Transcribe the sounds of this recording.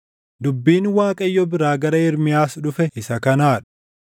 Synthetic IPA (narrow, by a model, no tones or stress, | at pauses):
d̪ʊbːiːnwaːkʼɐjːɔbɪɾaːɡɐɾɐɪɾmɪjaːsᶑʊfɛɪsɐkɐnaːᶑɐ̥